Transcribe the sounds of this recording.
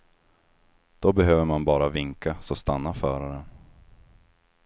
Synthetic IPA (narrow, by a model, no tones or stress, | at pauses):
d̪̥ɔbɛɦøːvəmanbɑːɾavɪŋkasɔst̪anːafœːɾaɾən